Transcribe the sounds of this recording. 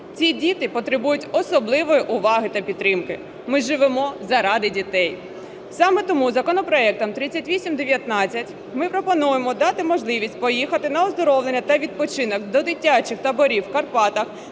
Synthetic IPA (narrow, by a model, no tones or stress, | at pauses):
t͡sʲidʲit̪ɪpɔt̪ɾɪbujʊtʲɔsɔblˠɪʋɔjiʔʊʋɑɦɪt̪ɐpʲit̪t̪ːɾɪmkɪ | mɪʒɪʋemɔzɐɾɑd̪ɪdʲit̪ɛj | sɑmɛt̪ɔmuzɐkɔnɔpɾɔɛk̚t̪ɔmt̪ɾɪt͡sʲːɐtʲʋʲisʲimd̪eʋʲjɐt̪nɑt͡sʲːɐtʲ | mɪpɾɔpɔnujemɔd̪ɑt̪ɪmɔʒlˠɪʋʲisʲtʲpɔjixɐt̪ɪnɐɔzd̪ɔɾɔwlˠenʲːɐt̪ɐʋʲid̪̚pɔt͡ʃɪnɔkd̪ɔd̪ɪtʲːat͡ʃɪxt̪ɐbɔɾʲiwkɐrpɑt̪ɐx